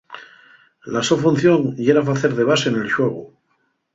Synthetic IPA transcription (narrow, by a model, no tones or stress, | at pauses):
lasofun̟θjoŋjeɾafaθeɾðe̞β̞asenelʃwe̞ɣ̞u